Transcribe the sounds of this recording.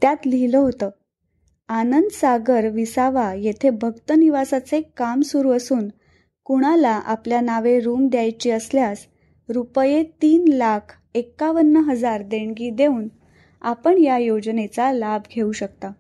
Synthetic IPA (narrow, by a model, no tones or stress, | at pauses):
t̪jat̪liɦiləɦot̪əː | anənd̪əsaɡəɾʋisaʋajet̪ʰebʱəɡt̪əniʋasat͡sekamsuɾuəsuːn | kuɽ̃alaʔa̰pljanaʋeɾuːmd̪jajt͡ɕiːəsljas | ɾupəjet̪iːnlakʰ | ekːaʋənːəɦəd͡zaɾd̪eɳɡiːd̪euːn | apəɳjajod͡znet͡salabʱɡʱeuɕək̚t̪a